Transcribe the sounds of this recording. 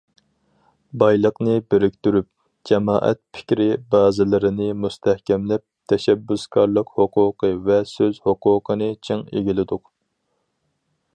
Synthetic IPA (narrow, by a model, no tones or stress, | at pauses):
bɑjlˠəqnɨbeɾɪk̚ʲt̪yɾyp̚ | d͡ʒɛmɑ̰ːʔɛ̰t̪̚pʰɪ̥kʲɾɪbɑːzɪlɪɾɪnɪmust̪ʰɛhkʲɛmlɛp̚t̪ʰɛʃɛbːyskɑɾlˠəqhoqʰʊːqəvɛsøzhoqʰʊːqʰənɨt͡ʃʰeŋḛɡʲilɪd̪ʊq